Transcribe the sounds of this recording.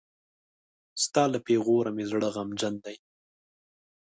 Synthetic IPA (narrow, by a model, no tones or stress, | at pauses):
st̪ɑːlapeɣoɾamezɽəɣamd͡ʒand̪aj